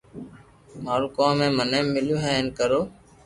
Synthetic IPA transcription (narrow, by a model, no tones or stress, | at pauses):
maːɾuːkoːmmːẽːmənẽːmːɪljũːɦɛ̃ːeːnkəɾoː